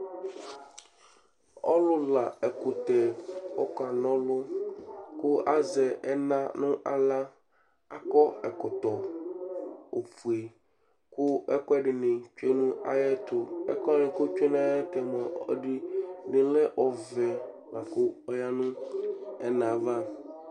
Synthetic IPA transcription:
ɔ˦lʊ˦la˨ɛ˨kʊ˨t̪ɛ˨ɔ̰˦ka˨nɔ̃˦lʊ˦ | kʊ˦a˦zɛ˨ɛ˦nã˦nʊ̃˦ʔa˨la˦ | a˦kɔ˦ɛ˨kɔ˨t̪ɔ˨ | o˨fu˨e˨ | kʊ˦ɛ˦kɔ˦ɛ˦ɖɪ˨nɪ̃˨t͡ʃᶣe˦nʊ̃˦a̰˦jɛ˦t̪ʊ˨ɛ̰˦kɔ˦nɪ̃˨kʊ˦t͡ʃᶣe˦n˦ã˦jɛ˦t̪ɛ˨mɔ̃˨ɔ˦di˦nɪ̃˨˦lɛ˦ʔɔ˨vɛ˨ | la˨kʊ˦ɔ˦ja˦nʊ̃˦ɛ˦nã˨va˦

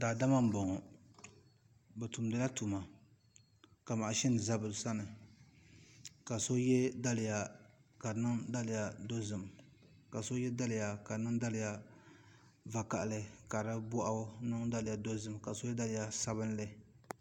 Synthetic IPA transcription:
daː˨da˦ma˦m̩˦bɔ˨ŋɔ˨ | bɛ˨tu˨mdɨ˦la˦tu˨ma˨ | ka˨ma˨ʔʃɛ˦n˨za˦˨bɨ˨lsa˦nɨ˨ | ka˨so˦jɛ˦da˦lɪ˨ja˨ka˨nɨ˦ŋda˦lɪ˨ja˨do˦zɨ˨m | ka˨so˦jɛ˦da˦lɪ˨ja˨ka˨˦nɨ˦ŋda˦lɪ˨ja˦ | va˨ka˨ʔlɨ˦ka˨ɾɨ˦bʊ˦ʔa˦nɨ˦ŋda˦lɨ˨ja˨do˦zɨ˨mka˨so˦jɛ˦da˦lɪ˨ja˦sa˦bɨ˦n˦lɨ˦

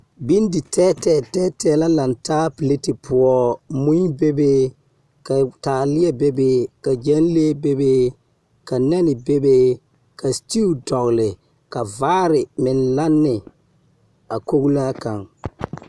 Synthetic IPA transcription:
bi˦n˦di˨tʰɛː˦tɛː˦˨tɛː˦tɛː˦la˦la˨ntaː˦pi˨le˦ti˨pʊ˨ɔ˦mũ˦be˦be˦ | ka˨taː˨lɪ˦ɛ˦be˦beː˦ka˨d͡ʒɛ˦n˦leː˦be˦be˦ | ka˨nɛ˦nɪ˨be˦be˦ | ka˨sti˦u˦dɔ˨ɣlɪ˨ | ka˨vaː˦ɾɪ˨mɪ˨nla˦nːɪ˨ | a˨ko˦ɣu˦laː˦ka˨ŋ

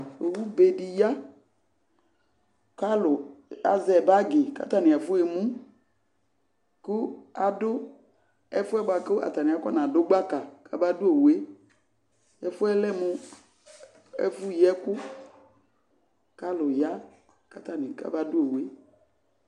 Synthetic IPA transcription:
e˨wu˦be˨di˨ja˦ | ka˦lʊ˨a̰˨zɛ˨ba˦ɡɪ˨ka̰˦t̪a˦nɪ̃˨ɛ˨fʊ˦e˨mũ˦ | kʊ˦a˨dʊ˦ | ɛ˦fʊ˦ɛ˦ba˨ke˦a̰˨t̪a˨nĩ˨a˨˦kɔ˦nã˨dʊ˦ɡ͡ba˦ka˨ka˦ba˦dʊ˦e˨we˦ | jɛ˦fʊ˦ɛ˦lɛ˦mʊ˨ | ɛ̰˦fu˦jɛ˦kʊ˦ | ka˦lʊ˨ja˦ | ka˦t̪a˦nĩ˨ka̰˦ba˦dʊ˦e˨we˦

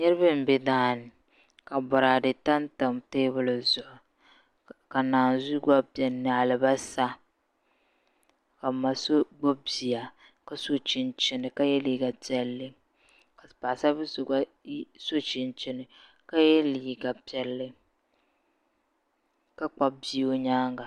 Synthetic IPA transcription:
ɲɛ˦ɾɨ˦bɨ˦m̩˨bɛ˦daː˦nɪ˨ | ka˨bɔ˨ɾa˨dɨ˨ta˦nta˨mteː˦bʊ˦lɨ˨zʊ˨ʔʊ˨ | ka˨naː˨nzu˦ɡa˦pjɛ˨na˨a˨lɨ˨ba˦sa˦ | ka˨ma˨so˦ɡ͡bɔ˦bi˨a˨ | ka˦so˦t͡ʃɪ˨nt͡ʃɪ˦nɨ˨ka˦jɛ˦liː˦ɡa˨pɛ˦lːɪ˦ | ka˨pa˨sa˦bɨ˦so˨ɡa˦so˦t͡ʃɪ˨nt͡ʃɪ˦nɨ˨ | ka˦jɛ˦liː˨ɡa˨pɛ˦lːɪ˦ | ka˦k͡pa˨bi˦o˦ɲaː˦ŋɡa˨

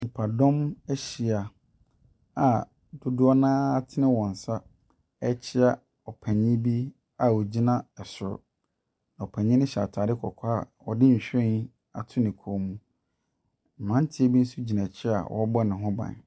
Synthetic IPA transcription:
m̩˨pʰa˨dɔ̃˦mɛ˦ɕi˨a˨ | a˨ | dʊ˦dʊ˦a˦nãː˦tʰɪ˦nɪ̃˦wɔ̃˨n̩˨sa˦ | ɛ˦t͡ɕʰɪ˦a˨ | ɔ˨pʰɛ̃˨ɲɪ̃˦bi˦ | a˨wɔ˨d͡ʑi˦nã˦ɛ˨sʊ˨ɾʊ̰˨ | nã˨ɔ˨pʰɛ̃˨ɲɪ̃˦nɪ̃˦ɕa̰ː˨tʰaː˨dɪ˦kʰɔ˨kʰa˦a˨ | ɔ̰˨dɪ˦ɲ̩˨ɕᶣɛ̃˦n | a̰˨tʰʊ˦nɪ̃˨kʰo˨˦mũ˦ | m̩˨mã˦n˦tʰɪ˦ɛ˦bi˦n̩˦su˦d͡ʑi˨nã˨t͡ɕʰɪ˦a̰˨wʔɔ̰˦bɔ˦nɪ̃˨ɦʊ̃˦bã̰˨n

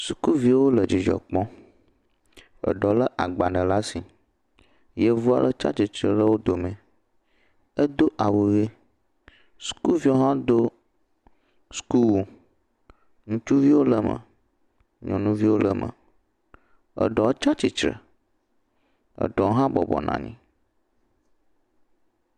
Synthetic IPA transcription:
su̥˨ku˦vi˦wo˦lə˨d͡ʑi˨d͡ʒə̰˨k͡pɔ̃˦ | ə̰˨ɖɔ˨lə˦ʔa̰˨ɡ͡ba˨ɖə˨la˦si˨ | je˦vu˦a̰˨lə˦t͡ʃa̰˦t͡ʃi˨t͡ʃɾə˨lə˦wo˦d̪o˨mɛ̃˨ | ə˦d̪o˦ʔa˨wu˨ɣe˦ | su̥˨ku˦lvi˦o˦ɦã˦d̪o˦ | sku˦l | ŋũ˦t͡ʃu˦vi˦wo˦lə˨mə̰̃˨ | ɲɔ̃˨nũ˦vi˦wo˦lə˦mʔə̰̃˨ | ə̰˨ɖɔ˨˦t͡ʃa˦t͡ʃi˨t͡ʃɾə̰˨ | ə̰˨ɖɔ˨wo˦ɦã˦bɔ̰˨bɔ̰˨nʔã̰˨ɲḭ̃˦

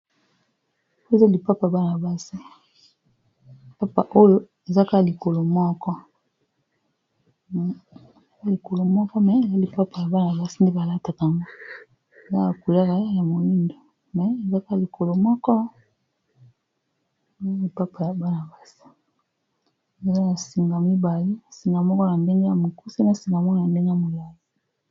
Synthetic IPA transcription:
o˦˨za˦li˨pa˦pa˨ba˦na˨ba˦si˦˨ | pa˦pa˨ʔo˦jo˦ | e˨za˦ka˦˨li˨ko˨lo˨mɔ˦kɔ˦˨ | za˦li˨ko˨lo˨mɔ˦kɔ˦mɛ˨e˨za˦li˨pa˦pa˨ja˨ba˦na˨ba˦si˦n˦de˦ba˨la˦ta˨ka˨ŋɡo˦˨ | la˦a˨ku˨la˦ka˨a˦ja˨mo˨li˦ndo˨ | mɛ˨˦e˨za˦ka˦li˨ko˨lo˨mɔ˦kɔ˦˨ | a˦li˨pa˦pa˨ja˨ba˦na˨ba˦si̥˨ | ne˨la˦na˨si˨ŋɡa˨mi˦ba˨li˦˨si˨ŋɡa˨mɔ˦kɔ˦na˨mbe˦ŋɡa˦ja˦˨mo˨ku˦si˦na˦si˨ŋɡa˨mɔ˦kɔ˦ja˨mbe˦ŋɡe˦a˦˨mo˨la˨zi˨˦

